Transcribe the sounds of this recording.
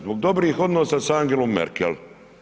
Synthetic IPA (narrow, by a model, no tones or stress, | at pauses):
zboɡ̚d̪o̞bɾiːxo̞d̪noːsasaŋɡelomːḛɾkḛl